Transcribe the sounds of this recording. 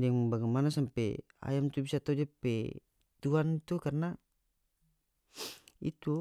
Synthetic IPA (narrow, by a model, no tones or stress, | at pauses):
daŋbaɡamanasampɛ | a̰jamt̪ubisat̪aud͡ʒpɛ | t̪uant̪ukarna | ḭt̪u